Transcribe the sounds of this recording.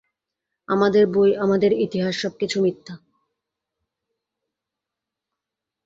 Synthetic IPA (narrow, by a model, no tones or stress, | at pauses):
amad̪eɾbojamad̪eɾit̪iɦaʃːɔb̚kit͡ɕʰumit̪ʰːa